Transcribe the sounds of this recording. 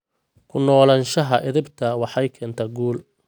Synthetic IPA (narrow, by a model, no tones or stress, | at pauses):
kʰʊnɔːlɐnʃɐɦɐʔɪðɪbt̪ʰɐwɑħɑjkʰɛːnt̪ʰɐɡuːl